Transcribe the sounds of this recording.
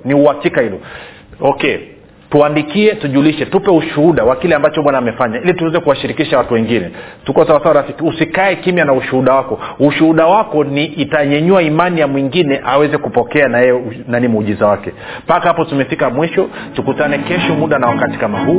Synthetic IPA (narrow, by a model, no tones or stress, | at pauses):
niuhakikahilɔ | ɔkɛ | tuandikiɛtuʄuliʃɛtupɛuʃuhuɗawakilɛambat͡ʃɔɓwanaːmɛfaɲailituwɛzɛkuwaʃiɾikiʃawatuwɛŋɡinɛ̰tukɔsawasawaɾafikiusikaɛkimjanauʃuhuɗawakɔuʃuhuɗawakɔniːtaɲɛɲuaimanijamwiŋɡinɛʔawɛzɛkupɔkɛanajɛjɛnanimuʄizawakɛ | pakahapɔtumɛfikamwiʃɔ | tukutanɛkɛʃɔmuɗanawakati̥kamahuː